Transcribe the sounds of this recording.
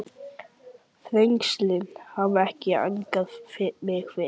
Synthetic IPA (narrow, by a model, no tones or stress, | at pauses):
θɾejŋkslɪnhavɛhcɪa̰ŋkaðfɪɾmɪxfɪ